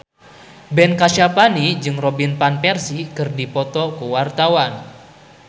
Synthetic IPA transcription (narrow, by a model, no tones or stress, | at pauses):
bɛnkaʃapanid͡ʒɨŋrɔbinpanpɛrsikərdipɔt̪ɔkuwart̪awan